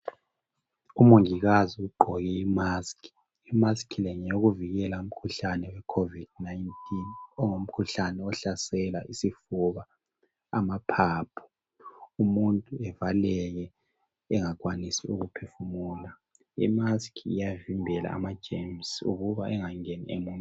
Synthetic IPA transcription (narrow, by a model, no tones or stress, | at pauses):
umuŋiɣaziuɡ͡ǃʱɔɣɛimaskʰi̥ | imaskʰilɛɲɛoɣuviɣɛlaum̩kʰuɬanɛwɛkʰovid̥̚naintʰʼinɔŋom̩kʰuɬanɛɔɬasɛlaʔisifuβaː | mapʰaːpʰɔ̥ | umuntʼuɛvalɛɣɛ | ɛŋak̬ʼwanisiuɣupʰefumuːla | ḭmaskʰiijavimbʱɛla̰a̰mad̥ʒ̥ʱemsṵɣuβaʔɛŋaŋɛnḭemum